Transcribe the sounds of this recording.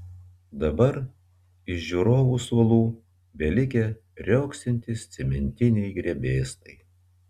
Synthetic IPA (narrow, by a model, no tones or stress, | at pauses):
d̪ɐbɐɾ | ɪʃʒʲuɾoːʋusʋɐlˠuː | bʲɛlʲɪkʲɛ | ɾʲoʊksʲɪnʲt̪ʲɪsʲt̪sʲɛmʲɛnʲt̪ʲɪnʲɛɪɡɾʲɛbʲeːst̪ɐɪ